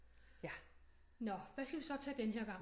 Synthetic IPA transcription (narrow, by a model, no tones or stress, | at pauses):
nɒʋæsɡ̥æʋisɒ̽t͡sʰɛ̰ːd̥enɦeɐ̰ɡ̥ɑ̈ŋ